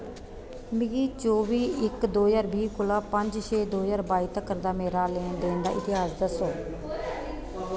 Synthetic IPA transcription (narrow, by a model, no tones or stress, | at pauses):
mɪɡiːt͡ʃoːʋiːɪkd̪oːjaːɾbiːkʊlaːpəɲd͡ʒʃeːd̪oːjaːɾbaːiːt̪əkəɾd̪aːmeːɾaːleːnd̪eːnd̪aːʔɪt̪ɪɦaːsd̪əsoː